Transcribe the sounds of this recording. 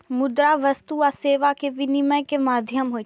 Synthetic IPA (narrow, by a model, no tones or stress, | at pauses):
mʊd̪ɾaʋɐst̪uaseːʋakeʋɪnɪməjkemaːd̪ʱjəmɦo